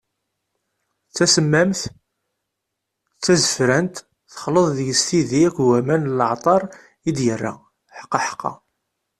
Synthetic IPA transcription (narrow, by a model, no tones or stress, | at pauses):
t͡sːæsəmːæmθ | t͡sːæzəfɾænt̪ | θə̥χələðˤðjəst̪iðiækʷwæmænləʕt̪ˤɑɾˤ | id̪jərːa̰ | ħə̥qːɑħə̥qːɑ̰